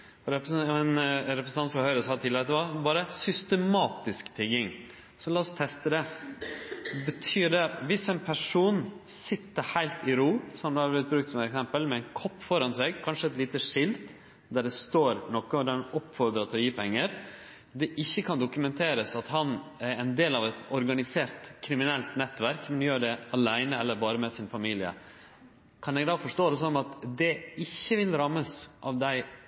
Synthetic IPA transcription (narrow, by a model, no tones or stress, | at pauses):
ɔɾɛpmɛnɾɛpɾsn̩ɑnfɾɑhœʏɾəsɑːt̪ʰɪləɾɛt̪d̪ɛʋɑbɑːɾəsʏst̪əmɑːt̪ɪskt̪ʰɪɡɪŋ | sɔlɑːɔst̪ʰɛst̪əd̪ɛ | bət̪ʰyːɖɛʋɪsɛɪnpʰæʂuːnsɪt̪ːəɾhæɪlt̪ɪɾuːsɔmd̪ɛɑblɪɾt̪̚bɾʉːkt̪sɔmɛt̪ɛksɛmpəlmɛɛɪnkʰɔpːfɔɾɑnseːɡ̚kʰɑnʂəɛt̪liːt̪əʂɪlt̪ | d̪æɖɛst̪oːɾnɔkːəɔd̪ɛɾɑnɔpːfɔɾd̪ɾɑt̪ʰɔjiːpʰɛŋːəɾ | d̪ɛʔɪçːəkʰɑnd̪ʊkʉmɛnt̪ʰeːɾəsɑt̪hɑnɛnd̪eːlɑʋɛt̪ɔɾɡɑnɪseːɾt̪kʰɾɪmɪnɛlt̪nɛt̪ːʋæɾkmɛnjøːɖɛɑlæɪnəɛlːəɾbɑːɾəmɛsɪnfɑmiːlɪə̰ | kʰɑnɛɡd̪ɑːfɔʂʈoːd̪ɛs̬ɔnːɑt̪d̪ɛɪçːəʋɪlɾɑmːəsʔɑʋd̪æɪ